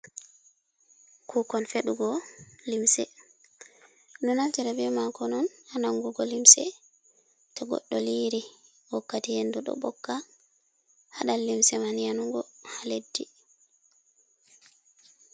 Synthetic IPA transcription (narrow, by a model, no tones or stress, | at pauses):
kʰukɔnfeɗuɡɔlimsɛ | nunantɛɾɛbɛmakɔnɔnhanaŋɡuɡɔlimsɛ̰ | tɔɡɔ̰ɗːɔliɾi | wɔkːatihenduɗɔ̰bɔkːa | haɗalːimsɛmanianuŋɡɔhaledːi